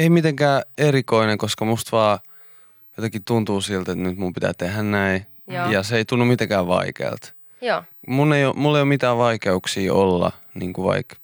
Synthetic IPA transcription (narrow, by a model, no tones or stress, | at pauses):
eimit̪eŋkæːerikoineŋkoskɑmust̪ʋɑː | jot̪ɑkitt̪unt̪uːsilt̪et̪nyt̪mumpit̪æ̰ːt̪ehænnæi | jɑseeit̪unːummit̪eŋkæːʋʋɑ̰ikḛːlt̪ | munːeijomulːejomit̪æːʋʋɑikeuksiːolːɑ̰ | niːŋkuʋɑ̰ik